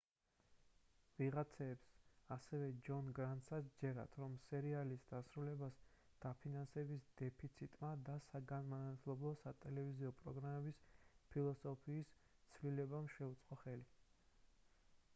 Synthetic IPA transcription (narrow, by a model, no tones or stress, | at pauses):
viʁat̪sʰɛːpsasɛvɛd͡ʒɔnɡɾant̪sasd͡ʒɛɾa̰t̪ʰɾɔmsɛɾialisd̪asɾulɛbas | d̪̥apʰinansɛbisd̪ɛpʰit̪sʰit̪ʼmad̪asaɡanmanat̪ʰlˠɔblˠɔsat̪ʼɛlɛviziɔpʼɾɔɡɾamɛbispʰilˠɔsɔpʰiːs | t̪sʰvlilɛbamʃɛut̪sʼqʼɔχɛli